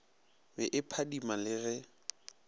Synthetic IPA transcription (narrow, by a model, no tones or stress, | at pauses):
bɛʔɪpʰadimalɪɣɛ